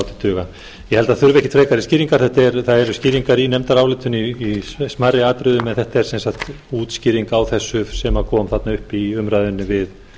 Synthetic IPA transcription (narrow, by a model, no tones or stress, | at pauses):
wt̪ɪ̥t̪ʰʏːɣa | jɛhɛlt̪aðθʏɾvɛhcɪt̪ʰɾeːjkaɾɪsciːɾiŋkaɾ̥θɛht̪aɛɾθaðɛɾʏsciːɾiŋkaɾinɛmt̪aɾaːwlɪːt̪ʏniːsmarɪaːt̪ɾʏðʏmɛnθɛht̪aɛɾ̥sɛnsaxt̪ | uːt̪sciːɾiŋkawθɛsːʏsɛmaðkʰɔːmθat̪naʏhpiʏmɾaðʏnːɪvɪð